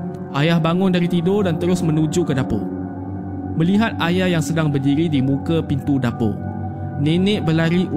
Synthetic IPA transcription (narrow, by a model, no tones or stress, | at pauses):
ʔajahbaŋʊndaɾit̪idodant̪əɾʊsmə̃nud͡ʒukədapo̰ | mə̃liɦat̪̚ajahjaŋsədaŋbərdiɾidimũkəpint̪udapo̰ | nẽnɛ̃ʔ̚bəlaɾi